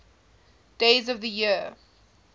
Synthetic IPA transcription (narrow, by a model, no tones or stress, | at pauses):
d̥eɪzəvðəji